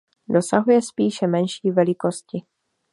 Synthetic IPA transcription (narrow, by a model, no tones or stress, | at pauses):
do̞saɦujɛspiːʃɛmɛnʃiːvɛlɪko̞scɪ